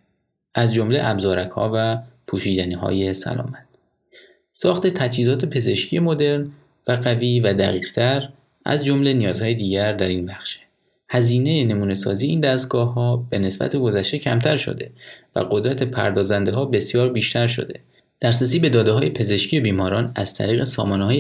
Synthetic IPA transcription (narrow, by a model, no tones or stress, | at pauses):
ʔæzd͡ʒo̞mle̞ʔæbzɒːɾækhɒ̰ːvæpʰuːʃiːd̪æniːɦɒ̰ːje̞sæ̰lɒ̰ːmæt̪̚ | sɒːxt̪e̞t̪ʰæt͡ʃhiːzɒːt̪ʰe̞pʰe̞ze̞ʃcʰije̞mo̞d̪e̞ɾn | væɢæviːvæd̪æɣiːɣ̥t̪ʰæɾ | ʔæ̰zd͡ʒo̞mle̞nijɒːzhɒːjed̪iːɟæɾd̪æɾinbæxʃe̥ | hæziːne̞jene̞muːne̞sɒ̰ːzijeiːnd̪æst̪̚ɡɒːɦɒːb̥e̞ne̞sbæ̰t̪ʰeɡo̞zæʃt̪e̞cʰæ̰mt̪ʰæɾʃo̰d̪e̞væ̰ɢo̞d̪ɾæt̪ʰe̞pʰæ̰ɾd̪ɒːzænd̪eɦɒːbe̞sjɒːɾbiːʃt̪ʰæɾʃo̞̰d̪e̞̰ | d̪̥æɾsɾes̬iːbe̞d̪ɒːd̪eɦɒːje̞pʰe̞ze̞ʃcʰijebiːmɒːɾɒːnæz̥t̪ʰæ̰ɾiːɣesɒːmɒːnehɒːje